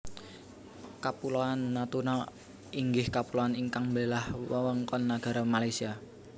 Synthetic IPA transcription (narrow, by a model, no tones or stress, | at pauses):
kapuloanːat̪unɔ | iŋɡɪhkapuloaniŋkaŋmbelahwɔwɔŋkɔnːaɡ̥a̤ɾamalajsia